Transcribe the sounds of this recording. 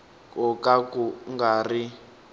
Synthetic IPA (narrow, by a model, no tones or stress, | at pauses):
kɔkakuŋɡaːri